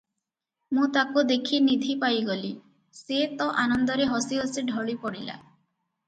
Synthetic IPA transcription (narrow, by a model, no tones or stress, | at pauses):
mũt̪akud̪ekʰinid̪ʱipajɡɔli | set̪ɔʔanɔnd̪ɔɾeɦɔsiɦɔsiɖʱɔɭipɔɽila̰